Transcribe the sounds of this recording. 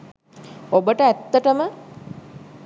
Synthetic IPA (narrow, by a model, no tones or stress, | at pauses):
obəʈəæt̪ːəʈəmə